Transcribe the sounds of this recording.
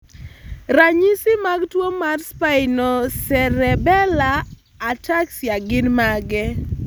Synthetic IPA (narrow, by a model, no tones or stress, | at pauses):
raɲisɪmaɡtwomarspaɪnɔsɛɾɛbɛlaː | taksjaɡɪnmaɡɛ